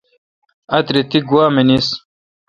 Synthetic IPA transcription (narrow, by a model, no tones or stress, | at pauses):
ɐt̪ɾit̪iɡwaːmenis